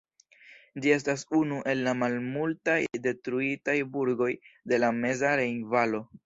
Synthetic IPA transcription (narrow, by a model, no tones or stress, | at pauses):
d͡ʒie̞s̬tasunuʔe̞lːamalmultajde̞tɾuitajbuɾɡo̞jde̞lame̞zaɾe̞jnvalo̞